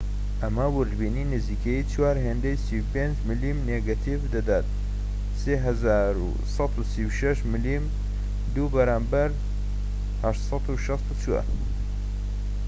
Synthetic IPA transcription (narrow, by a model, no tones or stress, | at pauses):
ʔɐmɐwʊɾd̪bininɨzikʰeit͡ʃwaːɾɦeːnd̪ejsiwpend͡ʒmɨlimneɡat̪ʰivd̪ɐd̪at̪̚ | seɦɐzaːɾṵ | sɑt̪usiwʃɐʃmɨlim | d̪ubɐɾaːmbɐɾ | hɐʃt̪sˤɑt̪uʃɑst̪ut͡ʃuwa̰